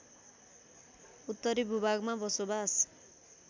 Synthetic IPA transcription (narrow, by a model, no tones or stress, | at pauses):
ut̪ːʌɾibʱubaɡmabʌsobas